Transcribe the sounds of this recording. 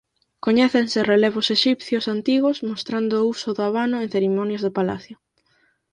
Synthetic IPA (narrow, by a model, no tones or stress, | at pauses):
koɲɛθensɪreleβ̞ʊseʃipθjʊsant̪iɣʊsmost̪ɾand̪ʊusʊðʊaβanʊeŋ̟θeɾimɔnjazðʊpala̰θjʊ